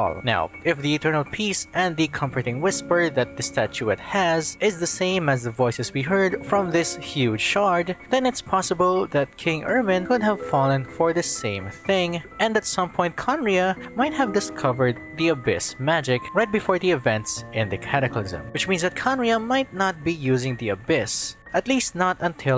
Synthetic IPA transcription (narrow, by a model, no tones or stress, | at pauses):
lna̰ʊɪfðiɨtʰɜ˞nəlˠpʰisɛ̃nðɨkʰʌ̃ɱmfə˞ɾɪ̃ŋwɪspə˞ðɨt̪̚ðɨstʰæt͡ʃuɨt̪̚hæzɪzðɨsẽɪ̃mɨzðəvɔɪsɨzwiɦɜ˞dfɹʌ̃mðɪshjʉd͡ʒʃɑɹd̪ðɛ̃nɨtspʰɑsəbəlˠðæt̪̚kʰɪ̃ŋɜ˞mɨ̃nkʊd̚ɦæv̥fɑlˠə̃nfɔɹðɨsẽɪ̃mθɪ̃ŋʔɛ̃nd̪ætsʌ̃mpʰɔ̃ɪ̃nt̚kʰɑ̃nɹiəmaɪt̪̚hævdɨskʰʌvə˞d̪̚ðiɨbɪ̰smæd͡ʒɪkɹajt̚bɨfɔːɹðiɨvɛ̃ntsɪ̃ndðɨkʰæɾɨklˠɪ̰zə̰̃mwɨt͡ʃmĩnsðɨt̪̚kʰɑ̃nɹiəmaɪt̪nət̪̚bijʉzɪ̃ŋðiɨbɪs | ʔɨt̪listnətə̃nt̪ʰɪ